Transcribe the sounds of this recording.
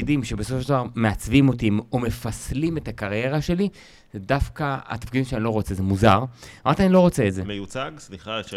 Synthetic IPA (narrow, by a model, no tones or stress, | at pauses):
idimʃe̞besofoʃedavaʁme̞at͡svimotimome̞faslime̞takaʁje̞ʁaʃe̞li | zedafkaa̰tafkid̪imʃeanilo̞ʁot͡sezemuzaʁamaʁt̪ianilo̞ʁo̞t͡seːtzemejut͡saɡsliχaʃ